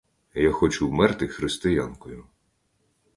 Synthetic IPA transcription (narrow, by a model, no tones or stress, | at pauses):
jaxɔt͡ʃʊwmɛrt̪ɪxɾɪst̪ɪjankɔjʊ